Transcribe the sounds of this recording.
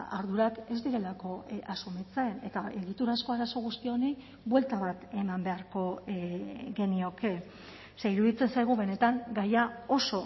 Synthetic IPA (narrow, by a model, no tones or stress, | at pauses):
a̰ɾð̞uɾake̞zd̪iɾe̞lako̞ʔasumit͡saene̞t̪ae̞ɣit̪uɾasko̞aɾaso̞ɣ̞ust̪io̞ne̞j | bwe̞lt̪aβat̪e̞mambe̞aɾko̞ | ɣe̞nio̞ke̞ | seiɾuðit͡se̞nsajɣ̞uβe̞ne̞t̪aŋɡajao̞so̞